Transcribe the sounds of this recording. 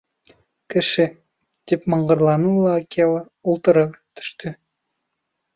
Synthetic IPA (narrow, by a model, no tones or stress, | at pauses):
kɘ̆ʃɘ | t̪ʲipmɑɴʁɤ̆ɾlˠɑnulˠɑɑkʲʰelˠɤ | ulˠt̪ɤ̆ɾɤpt̪ʏ̥ʃt̪ɘ